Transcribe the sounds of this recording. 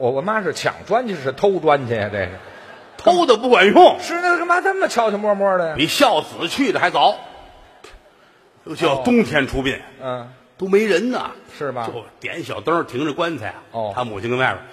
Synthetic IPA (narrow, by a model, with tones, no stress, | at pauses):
wɔ˨˩wɔ˧˩˥ma˥ʂɻ̩˥˩t͡ɕʰjɑ̰˨˩ŋʈ͡ʂwa˥nt͡ɕʰɛ˥ʂɻ̩˥˩t̪ʰo˥ʊʈ͡ʂwa˥nt͡ɕʰɛ˧˥˩ʈ͡ʂe˥˧˩ʂ̩˥˩ | t̪ʰo˥ʊd̪ə˨p̬u˥˩kwa˨˩nʊ˥˩ŋʂɻ̩˥˩na˥˩˥ɡə˧ma˥t͡sə˥nmə˨t͡ɕʰjɑ˧˥ʊt͡ɕʰi˧mwɔ˥mwɔ˥də˨˩ja˧pi˧˥ɕjɑ˥˩ʊsɹ̩˨˩˦t͡ɕʰy˥˩ə˨˩xa˧˥ɪt͡sɑ˧˥ʊ | jo˧˥ʊt͡ɕʰjɑ˥˧ʊt̪ʊ˥ŋt̪ʰjɛ˧˥nʈ͡ʂʰu˥pjɛ˥˩n̩˥˩ | t̪o˥ʊme˧˥ɪɻə˧˥nnə̰˨ʂɻ̩˥˩bɐ̰˨˩jo˥˧˩t̪jɛ˧˥nɕjɑ˨˩ʊt̪ə˥˧t̪ʰi˧˥ŋʈ͡ʂə˧kwa˥nt͡sʰa˨˧˩ɪɔ˥˩t̪ʰa˥mu˨˩t͡ɕʰi˥ŋkə˧˥na˥˩ʊ̰˨˩